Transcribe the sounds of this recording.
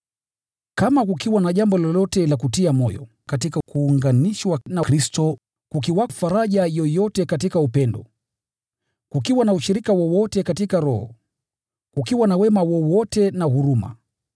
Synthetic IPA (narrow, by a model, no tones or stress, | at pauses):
kamakukiwanaʄambɔlɔlɔtɛlakutiamɔjɔ̰ | katikakuːŋɡaniʃwanakɾistɔ | kukiwafaɾaʄajɔjɔtɛkatikaupɛndɔ | kukiwanauʃiɾikawɔwɔtɛkatikaɾɔhɔ̰ | kukiwanawɛmawɔwɔtɛnahuɾuma̰